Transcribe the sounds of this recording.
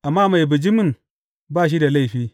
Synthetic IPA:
ʔa˨mːa˦˨ma˨jbu˨d͡ʒi˦mu˦˨n | ba˦˨ʃ̬i˦da˨la˦i˨ɸiː˦

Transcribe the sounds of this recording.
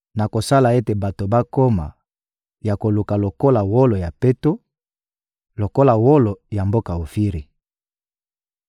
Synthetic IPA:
na˨ko˨sa˦la˨e˦te˨ba˨to˨ba˦ko˦ma̰˨ | ja˨ko˨lu˨ka˨lo˨ko˦la˨wo˦lo˨ja˨pe˦to˦ | lo˨ko˦la˨wo˦lo˨ja˨mbo˦ka˨o˨fi˦ʁi˨

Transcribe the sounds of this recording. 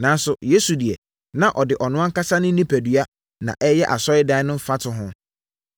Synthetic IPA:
nãː˨n˦sʊ˨je˦su˨di˨ɛ˨ | nã˨ʔɔ˨dɪ˨ʔɔ˨nʊ̃˦ã˦ŋ˦ka˦sa˦nʊ̃˦nĩ˦pʰæ˨dɥa˦ | nã̰˨ʔɛ˦jɛ˦ʔa˨sɔ˦ɪ˦dã˦nʊ̃˦m̩˦fa˦tʰʊ˨ɦʊ̃˦

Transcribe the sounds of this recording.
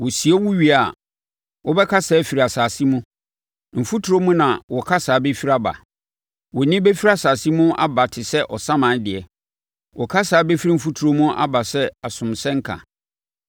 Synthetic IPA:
wʊ˨si˨e˦wu˦ɥi˦a˨ | wɔ˦bɛ˦kʰa˦sɛ˦fi˨ɾa˨saː˨si˦mũ˦ | m̩˨fu˦tʰu˨ɾo˦mũ˦nã˨wɔ˨kʰa˦saː˨˦be˦fi˦ɾa˦ba̰˨ | wɔ˨nĩ˦be˦fi˦ɾa˨saː˨si˦mũ˦ʔa̰˦ba˨tʰɪ˨sɛ˦ʔɔ˨sã˦mã˨˦dɪ˨ɛ˨ | wɔ˨kʰa˦saː˨˦be˦fi˦ɾi˦m̩˨fu˦tʰu˨ɾo˦mũ˦ʔa̰˦ba˨sɛ˦a˨sʊ̃˨msɛ̃˦ŋ˦kʰã̰˨

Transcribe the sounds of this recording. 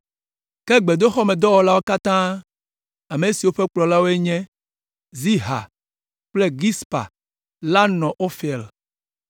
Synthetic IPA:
kɛ˦ɡ͡be˨d̪o˦xɔ˦mẽ˨d̪ɔ˦wɔ˦la˦wo˦ka˦t̪ã˦ | a˨me˨si˨wo˦ɸɛ˦k͡plɔ˨la˦wo˦e˦ɲɛ̃˦ | zi˦ɦa̰˨ | k͡plɛ˦ɡi˦spa̰˨ | la˦nɔ̃˨ʔo˦fɛ˨l

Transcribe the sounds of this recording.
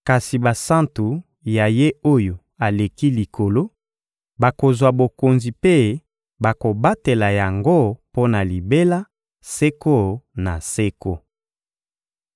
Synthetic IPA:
ka˨si˨ba˨sã˦ntu˨ | ja˨je˦o˦jo˨ | a˨le˨ki˦li˨ko˨lo˦ | ba˨ko˨zwa˨bo˨ko˨nzi˨pe˦ | ba˨ko˨ba˦te˨la˨ja˨ŋɡo˦po˦na˨li˨be˦la˦ | se˦ko˦na̰˨se˦ko˦

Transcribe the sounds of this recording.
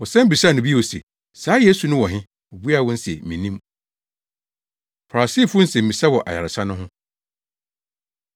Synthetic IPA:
wɔ˨sɛ̃˦m̩˦bi˨sa˦˨nʊ̃˨bi˦˨o˨sḛ˨ | saː˨˦je˦su˨nʊ̃˦wɔ˨ɦɪ̃˦ | ɔ˨bu˦a˦˨wʊ̃˦n̩˦sɛ˨mĩ˨nĩ˦m | fa˨siː˦˨fʊ˦n̩˦sɛ̃˨m̩˨ĩ˨sa˦wɔ˨ʔa̰˨ja̰˨ɾɪ˨sa˦nʊ̃˦ɦʊ̃˦

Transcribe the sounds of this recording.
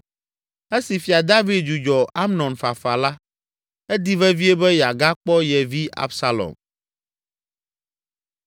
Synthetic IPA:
e˦si˨fi˨a˨d̪a˦vi˨d̪̚d͡ʒu˨d͡ʒɔ˨a˦mnɔ̃˨nfa˨fa˨la˦ | ɛ˦d̪i˦vɛ˦vi˦ɛ˦bɛ˦jɛ˨a˨ɡa˦k͡pɔ˦jɛ˨vi˦ʔa̰˦bsa˨lɔ̰˨m

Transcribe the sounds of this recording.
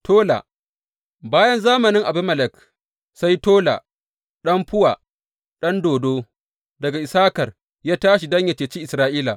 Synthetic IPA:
tʰoː˦la̰˨ | baː˦jɐ˦nzaː˦mɐ˨nɪ˦ŋʔa˨bɪ˦mɐ˨lɛ˨k | sa˦jtoː˦la̰˨ | ɗɐ˦mɸʊ˦waː˨ | ɗɐ˦ndoː˨doː˦ | dɐ˨ɡa˨ʔɪ˨saː˦kɐ˨r | jaː˦taː˦ʃi˨dɐ˦ɲjɐ˨t͡ʃeː˨t͡ʃi˦ʔɪ˨sɾaː˦ʔiː˦la̰˨ʔ

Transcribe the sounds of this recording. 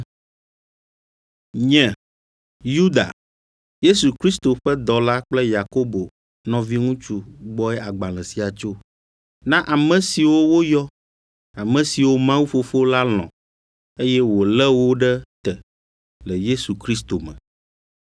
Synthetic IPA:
ɲɛ̃˨ | ju˦d̪a̰˨ | je˦su˨kɾi˦st̪o˨ɸɛ˦d̪ɔ˨la˦k͡plɛ˦ja˨ko˦bo˨ | nɔ̃˨vi˦ŋũ˦t͡ʃu˦ɡ͡bɔ˦ɛ˦ʔa˨ɡ͡bã˨lɛ̃˨si˨a˨t͡ʃo˦ | nã˦ʔa˨mɛ̃˨si˨wo˦wo˦jɔ˦ | a˨mɛ̃˨si˨wo˦mã˦wu˦fo˦fo˦la˦l̃ɔ̰̃˨ | e˦jɛ˦wo˨lɛ˦wo˦ɖɛ˦t̪ɛ˨ | lɛ˨je˦su˨kɾi˦s̬t̪o˨mɛ̰̃˨

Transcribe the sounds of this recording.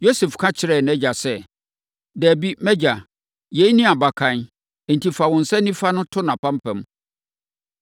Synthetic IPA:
jo˦sɛ˨fkʰã˦t͡ɕʰɪ˨ɾɛ˨nɛ˦d͡ʑa˨sɛ˦ | dæː˨bi˦mɛ˦d͡ʑa˨ | je˦i˦nĩ˦a˨ba˨kʰã˨n | ɛ˨n̩˨ti˨fa˨wɔ̃˨n̩˨sɛ˦nĩ˦fa˦nʊ̃˦tʰʊ˦nã˨pʰã˦m˦pʰɛ̃˨m˦

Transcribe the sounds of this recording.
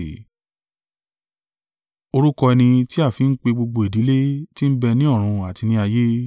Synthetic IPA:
o˧ɾu˦kɔ˧ɛ˧nĩ˧ti˦a˦˨fi˨˦n̩˦k͡pe˧ɡ͡bo˧ɡ͡bo˧e˨di˨˦le˦ti˦n̩˦bɛ˧nĩ˦ɔ˦˨ɾ̃ũ˧a˨ti˧nĩ˦a˧je˦

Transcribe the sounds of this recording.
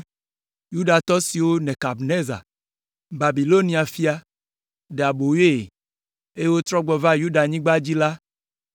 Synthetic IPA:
ju˦ɖa˨t̪ɔ˦si˨wo˦nɛ̃˨ka˨bne˦za̰˨ | ba˨bi˨lo˦nĩ˨a˨fi˦a˨ | ɖe˨a˨bo˨je˦˨ | e˦e˦wo˦t̪ɾɔ˦ɡ͡bɔ˨va˦ju˦ɖa˨ɲĩ˦ɡ͡ba˦d͡ʑi˦la˦

